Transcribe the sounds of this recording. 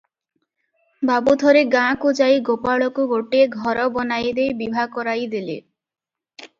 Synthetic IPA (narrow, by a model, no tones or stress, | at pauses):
babud̪ʱɔɾeɡãkud͡ʒajɡopaɭɔkuɡoʈieɡʱɔɾɔbɔnajd̪ejbibʱakɔɾajd̪elḛ